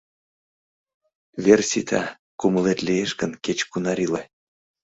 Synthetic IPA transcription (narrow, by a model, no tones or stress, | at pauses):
βersʲit̪ʰɑ | kuməlet̪lʲijeʃkənket͡ɕkunɑɾile